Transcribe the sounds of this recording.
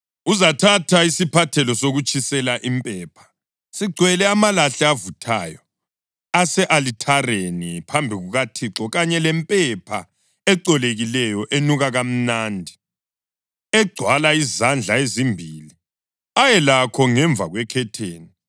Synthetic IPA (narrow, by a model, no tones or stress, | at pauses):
uzatʰatʰaisipʰatʰɛlɔsoɣut͡ʃʼisɛlaʔimpʼɛːpʰḁ | siɡ͡ǀʱwɛlɛamalaɬɛavutʰa̰ːjɔ | asɛʔalitʰarenipʰambʱiɣuɣatʰiǁɔɣaɲɛlɛmpʼɛpʰa̰ | ɛǃɔleɣilɛjɔʔenuɣaɣam̩naːndʱi | ɛɡ͡ǀʱwalaizand͡ɮʱaezimbʱili | ajɛlakʰɔŋɛɱb̪vʱa̰ɣwɛkʰɛtʰeːni